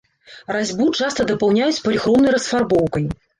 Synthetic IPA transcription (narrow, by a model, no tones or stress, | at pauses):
razʲbut͡ʂast̪ɐd̪ɐpawnʲajut͡sʲpɐlʲixɾɔmnɐjɾɐsfarbɔwkɐj